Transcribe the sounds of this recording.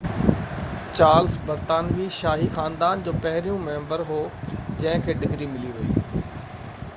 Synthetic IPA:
t͡ɕaːɾlsbɐɾt̪aːnʋiːʃaːɦixãːnd̪aːnd͡ʑoːpɐɦɪɾijũmẽːmbəɾɦoːd͡ʑɐ̃ɦɪ̃kʰeːɖɪɡɾimɪliʋɐḭː

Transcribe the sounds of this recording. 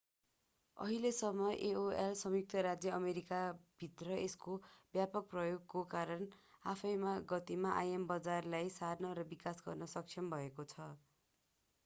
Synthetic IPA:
ʌ̰ɦilesʌmːʌjʔeoelsʌmjuk̚t̪ʌɾad͡zjʌʌmeɾikab̥ʱit̪rʌeskobjapʌk̚prʌjoɡkokaɾʌnapʰʌjmaɡʌt̪imaʔajembʌd͡zarlajsarnʌɾʌbikasɡʌrnʌsʌk̚t͡ʃʰʌmbʱʌekot͡sʰʌ

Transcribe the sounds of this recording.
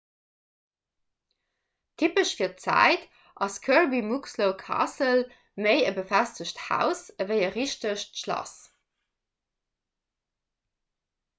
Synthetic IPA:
tʰipəʃfiːɐtt͡sæ̰ɪt | ʔɑskʰœɹbimuksloʊkʰɑ̰səl | meɪəbəfæstəɕthæ̰ʊsəvəɪəʁiʃtəʃtʃlɑ̰s

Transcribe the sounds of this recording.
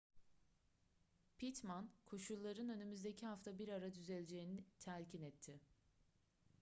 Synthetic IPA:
pʰit̪mankʰo̞ʃulˠːaɾɯnø̞nymyzd̪e̞cʰiɦaft̪ʰabiɾaɾad̪yzelʲd͡ʒe̞jinɪt̪ʰælʲcʰinɛt̪ʰːɪ

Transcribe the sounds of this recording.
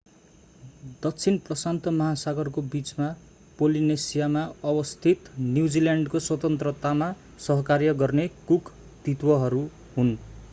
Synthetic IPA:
d̪ʌk̚t͡sʰinprʌsant̪ʌmʌɦasaɡʌrkobit͡sma | polinesijamaʌbʌst̪ʰit̪njud͡ziljaɳɖkoswʌt̪ʌnt̪rʌt̪ama | sʌɦʌkarjʌɡʌrnekuk | t̪it̪wʌɦʌɾu | ɦun

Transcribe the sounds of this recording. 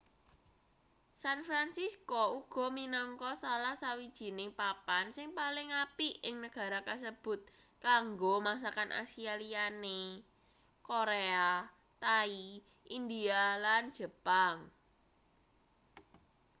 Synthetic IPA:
sanfɾansiskɔuɡ̥ɔ̤minɔŋkɔsalahsawid̥ʒ̥i̤nɪŋpapansɪŋpalɪŋapiʔɪŋnəɡ̥a̤ɾakas̬əb̥ʊ̤t̪̚ | kaŋɡomas̬akanʔa̰sialiane | koɾea | t̪ai | ʔind̪ialand̥ʒ̥ə̤paŋ

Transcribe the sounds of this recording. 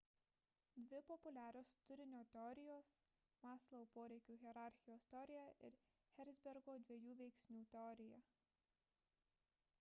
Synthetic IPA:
d̪ʲʋʲɪpɔpʊlʲæːɾʲoːst̪ʊɾʲɪnʲoːt̪ʲɛɔɾʲɪjoːs | mɑːslˠɐpoːɾʲɛɪkʲuːɣʲɛɾɑˑɾʲxʲɪjoːst̪ʲɛɔɾʲɪjɛʔɪ̰ɾ | xʲɛɾʲzʲbʲɛɾɡoːd̪ʲʋʲiɛjuːʋʲɛɪksʲnʲuːt̪ʲɛɔɾʲɪjɛ

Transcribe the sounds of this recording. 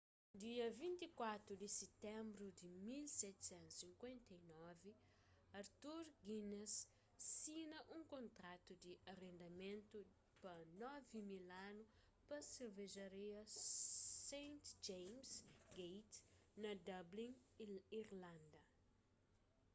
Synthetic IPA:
d̪iɐvĩnt̪ikwat̪ɾud̪iset̪ɛ̃mbɾud̪imilsɛt̪sɛ̃nt̪sĩŋkwẽnt̪ɐinɔvi | ɐɾt̪uɾɡinesː | inɐʔũŋkõnt̪ɾat̪ud̪iʔɐrẽnd̪ɐmẽnt̪u | pɐnɔvimilanʊ | pɐseɾveʒɐɾiɐ | sẽjnt̪d͡ʒejmsɡejt̪nɐd̪ɐblĩŋiɾlãnd̪ɐ

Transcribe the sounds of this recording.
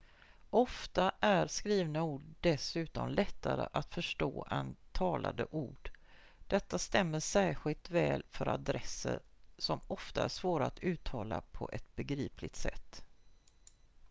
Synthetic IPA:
ʔɔft̪aʔæɾskɾiːvnauːɖɖɛsʉ̟ːt̪ɔmlʔɛt̪ʰːaɾə̰ʔat̪fœʂʈoːʔɛnt̪ʰɑːlʔa̰d̪əʔuːɖ̥ | d̪̥ɛt̪ːast̪ɛmːəʂæːɾɧɪlt̪vɛːlfœɾa̰d̪ɾɛsːə̰ɾsɔmɔft̪aæʂvoːɾaat̪ʰʉ̟ːt̪ʰɑːla̰pʰɔʔɛt̪̚bɛɡɾiːplɪt̪sɛ̰t̪ː

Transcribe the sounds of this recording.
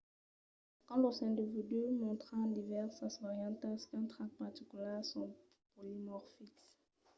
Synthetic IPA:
kɑ̃lɔsɛ̃d̪əvid̪ymɔ̃t̪χɑ̃d̪ivɛʁsasɔʁjɑ̃t̪askɛ̃t̪χãk̚paʁt̪ikylɛsɔ̃ | polimɔʁfiks

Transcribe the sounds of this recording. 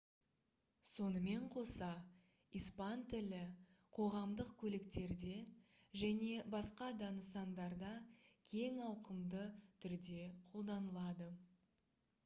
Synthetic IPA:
so̞nəme̞ɴqʰo̞sɑ | ijspɑnt̪ʰɪlɪ | qʰo̞ʁɑmd̪əqkʲʰɵlɪkt̪e̞ɾd̪e̞ | ʒæne̞bɑsqɑd̪ɑnəsɑnd̪ɑɾd̪ɑkʲʰe̞ŋɑwqəmd̪ət̪ʰʏɾd̪e̞qʰo̞lˠd̪ɑnəlˠɑd̪ə

